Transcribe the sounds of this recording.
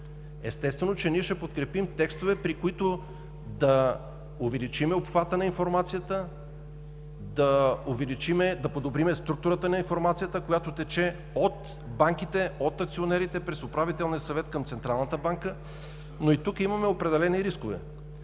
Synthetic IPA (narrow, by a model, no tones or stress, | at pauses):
ɛst̪ɛst̪vɛnot͡ʃɛniɛʃɛpot̪kɾɛpimt̪ɛkst̪ovɛpɾikoit̪ʊ | d̪ɐ | ʊvɛlit͡ʃimɛopxvat̪ənɐinfoɾmat̪sijət̪ə | d̪ɐʊvɛlit͡ʃimɛd̪ɐpod̪obɾimɛst̪ɾuk̚t̪ʊɾət̪ənɐinfoɾmat̪sijət̪əkojat̪ot̪ɛt͡ʃɛ | ot̪ | baŋk̟it̪ɛot̪ɐk̚t̪sionɛɾit̪ɛpɾɛsopɾavit̪ɛlˠnijəsɐvɛt̪kɐmt̪sɛnt̪ɾalˠnət̪əbaŋkə | noit̪ukimɐmɛopɾɛd̪ɛlɛniɾiskovɛ̰